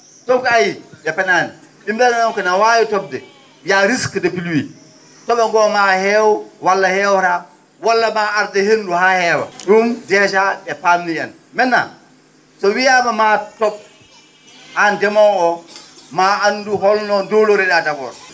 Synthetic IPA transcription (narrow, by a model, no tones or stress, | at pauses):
top̚kajijɛpɛnani | ɗimdananɔŋkɔnawajitɔb̚dɛ | jaɾiskədepilwi | tɔbaŋɡɔmahɛwwalːahɛwɾa | walːamaaɾdehenluhahɛwa̰ɗumdɛʃaɗɛpamniɛn | mɛnːa̰ | sɔwijamamatɔp̚ | andɛmɔɔmaʔanduɦɔlnɔdoloɾɛɗadaɡɔ̰ɾ